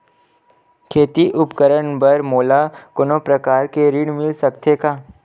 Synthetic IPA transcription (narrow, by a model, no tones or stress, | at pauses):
kʰeːt̪iʔʊpkəɾəɳbəɾmoːlakoːnopɾɐkaːɾkeɾɪɽmɪlsɐkt̪ʰekaː